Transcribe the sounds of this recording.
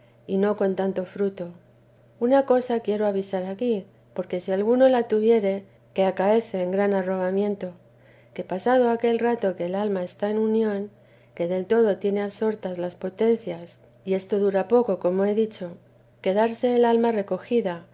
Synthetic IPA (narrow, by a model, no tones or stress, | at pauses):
ino̞ko̞nt̪ant̪o̞fɾut̪o̞ | unako̞sakje̞ɾo̞aβisaɾaki | po̞ɾke̞sialɣuno̞lat̪uβ̞je̞ɾe̞ | ke̞akae̞θe̞ːŋɡɾanaro̞βamjẽ̞nt̪o̞ | ke̞pasað̞o̞ake̞lrat̪o̞ke̞ːlalmae̞st̪ae̞nunjõ̞ŋ | ke̞ðe̞lt̪o̞ð̞o̞t̪je̞ne̞aβso̞ɾt̪azlaspo̞t̪e̞nθjas | ie̞st̪o̞ðuɾapo̞ko̞ko̞mo̞e̞ðit͡ʃo̞ | ke̞ð̞aɾse̞ːlalmare̞ko̞xiða